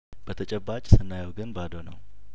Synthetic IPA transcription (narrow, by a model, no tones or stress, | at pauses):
b̥ət̪ʰət͡ʃʼɛbːat͡ʃʼsɨnːajawɡɨnbad̪onə̰w